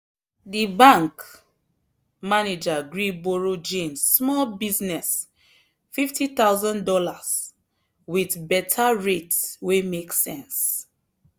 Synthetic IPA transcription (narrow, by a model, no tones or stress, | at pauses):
dibãŋk | maned͡ʒaɡɹiboɹod͡ʒẽmsːmɔlbiznɛs | fiftʰit̪aʊzãndɔlas | wiθbɛtʰaɹetswemeksɛ̃ns